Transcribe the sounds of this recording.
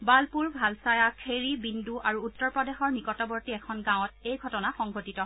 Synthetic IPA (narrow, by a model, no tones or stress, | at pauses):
balpuɹbʱalsajakʰeɹibinduʔaɹuːtːɔɹpɹɔdexɔɹnikɔtɔbɔɹtiɛkʰɔnɡãw̃ɔt̚ejɡʱɔtɔnaxɔŋɡʱotitɔ